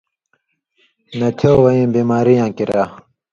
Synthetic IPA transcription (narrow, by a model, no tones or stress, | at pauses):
nɐt͡ɕʰowɐĩːbiːmaːɾijãːkiɾaː